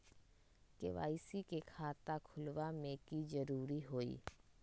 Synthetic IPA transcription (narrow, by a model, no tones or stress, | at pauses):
kḛʋa̰ːisikekʰaːt̪akʰʊlwamẽːkizəɾuːɾiɦoːḭː